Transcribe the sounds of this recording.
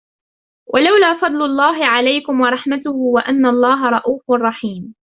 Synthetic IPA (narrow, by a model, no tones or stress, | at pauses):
wʔalawlaːfɑd̪ˤlʊlˤːɑːɦɪʕalajkʊmwɑɾˤɑħmat̪ʊhʊwaʔanːaɑlˤːɑːɦɑɾˤɑʔuːfʊɑrˤːɑħiːm